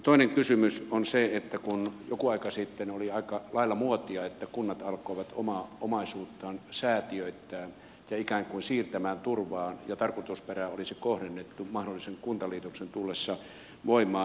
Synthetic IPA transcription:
t̪oineŋkysymysonseet̪ːækunjokuɑikɑsit̪ːenoliɑikɑlɑilːˑɑmuot̪iɑet̪ːækunːɑt̪ɑlkoiʋɑt̪omɑːomɑisuːt̪ːɑːnsæːt̪iøit̪ːæːn | jɑikæːŋkuinsiːrt̪æmæːnt̪urʋɑːnjɑt̪ɑrkot̪usperæolisikohɾenːet̪ːumɑhdolːiseŋkunt̪ɑliːt̪oksent̪ulːesːɑ | ʋoimˑɑː

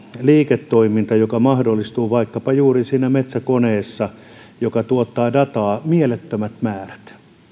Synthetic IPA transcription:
liːket̪ːoimint̪ɑjokɑmɑhdolːˑist̪uːʋɑikːɑpɑjuːrisiːnæmet̪sækoneːsːɑ | jokɑt̪uot̪ːɑːdɑt̪ɑːmielet̪ːømæt̪mæːræ̥t̪

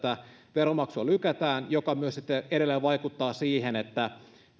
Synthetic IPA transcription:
t̪æ | ʋeromɑksuɑlykæt̪æːnjokɑmyøsit̪ːeeɾelːeʋɑjkut̪ːɑːsiːhenet̪ːæ

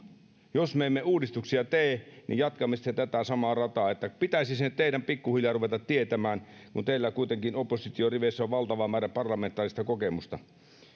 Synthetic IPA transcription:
josmeemːeuːdist̪uksiɑt̪eːnḭjɑt̪kɑmːesi̥t̪ːet̪æt̪æsɑmɑːrɑt̪ɑːet̪ːæpit̪æisisenːt̪t̪eiɾæmpikːuhiljɑruʋet̪ɑt̪tiet̪æmæːnkunt̪eilːækuit̪eŋkinopːˑosit̪ioriʋeˑsːæoʋʋɑlt̪ɑʋɑmːæːɾæpɑrlɑment̪ːˑɑːrist̪ɑkokemust̪ɑ

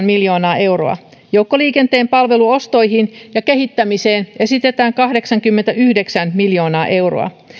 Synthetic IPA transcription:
nmiljo̞ːnɑːʔe̞wro̞̰ɑ̰ | jowkːoliːke̞nt̪e̞ːmpɑlʋe̞luo̞st̪o̞jɦinjɑke̞ɦit̪ːæmise̞ːne̞sit̪e̞t̪æːŋkɑhdeksɑŋkymːent̪æyhdeksænmiljo̞ːnɑːʔe̞wro̰ɑ̰

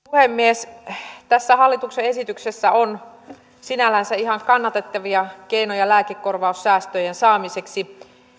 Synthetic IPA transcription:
puhemːiest̪æsːæhɑlːit̪ukseesit̪yksesːæon | sinælænsæihɑŋkɑnːɑt̪et̪ːɑʋiɑkeinojɑlæːkekːorʋɑusːæːst̪øjensɑːmiseksi

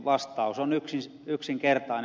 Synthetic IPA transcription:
ʋɑst̪ɑusonyksin | yksiŋkert̪ɑin

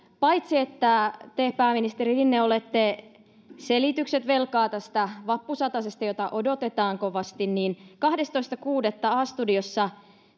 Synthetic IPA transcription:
pɑjt̪siet̪ːæt̪ehpæːminist̪eriinːeolet̪ːe | selit̪ykset̪ʋelkɑːt̪æst̪æʋɑpːusɑt̪ɑsest̪ɑjot̪ɑʔodo̞t̪et̪ɑːŋkoʋɑst̪inniːnkɑhdest̪o̞ist̪ɑkuːdet̪ːæɑːst̪udiosːɑ

